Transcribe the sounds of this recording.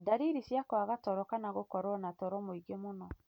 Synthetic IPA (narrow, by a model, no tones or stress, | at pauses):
daɾiɾisjakwaɣatɔɾɔkanaɣokɔɾɔnatɔɾɔmoiɡemonɔ